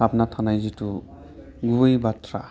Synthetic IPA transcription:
apnatʰanajzitu | ɡubɯjbatɾa

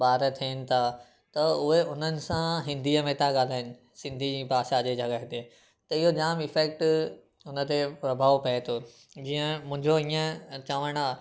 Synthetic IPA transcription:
ɓaːɾət̪ʰiənɪ̆t̪ʰa | t̪ɐʊɦeʊn̤ənɪ̆sãɦɪ̃nd̪ʱiəmẽt̪ʰaɠaːl̤aːɪnɪ̆ | sɪ̃nd̪ʱid͡ʑiːpaːʃad͡ʑed͡ʑʱɐɡaɦt̪e | t̪ɐɪɦod͡ʑaːmɪfɛːk̚ʈ | ʊnə̆t̪epɾɐbʱaːʋpɐet̪ʰo | d͡ʑiːə̃mʊ̃ɦɪ̃ɲd͡ʑoĩːə̃t͡ɕaːʋəɽ̃aː

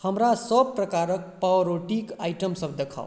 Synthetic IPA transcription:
həmɾasəb̚pɾəkaɾək̚paʋɾoʈikajʈəmsəbd̪ekʰa̰w

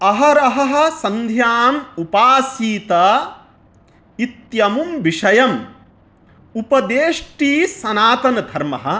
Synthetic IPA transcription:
ɐɦɐɾɐɦɐɦɐ̆sɐnd̪ʱjaːmupaːsiːt̪ɐ | it̪jɐmumʋiʂɐjɐm | upɐd̪eːʂʈiːsɐnaːt̪ɐnɐd̪ʱɐɾmɐ̰ɦɐ̆

